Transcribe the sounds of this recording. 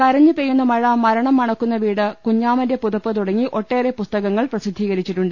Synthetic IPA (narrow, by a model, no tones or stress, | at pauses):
kɐɾɐɲːɨpejːunːɐmɐɻaːmːɐɾɐɳɐmːɐɳɐkːunːɐʋiːɽɨkuɲːaːmɐnjɐpuðɐpːɨt̪uɽɐŋːiʔo̞ʈːe̞ːrepust̪ɐɣɐŋːɐɭprɐsid̪ʱːiːɣɐɾit͡ɕːiʈːuɳɖɨ